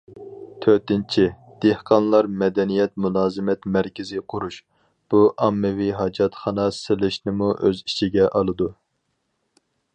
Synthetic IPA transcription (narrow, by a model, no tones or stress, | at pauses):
t̪ʰøɾt̪ɪnt͡ʃʰi | d̪̥ehqʰɑnlˠɑɾmɛd̪ɛnijɛt̪mulˠɑːzɨmɛt̪mæɾkʲʰɪzɪqʰʊɾuʃ | b̥uʔɑmːɪviɦɑd͡ʒɑt̪χɑnɑsɪlɪʃnɪmuʔøzit͡ʃʰiɡʲɛʔɑlˠɨd̪u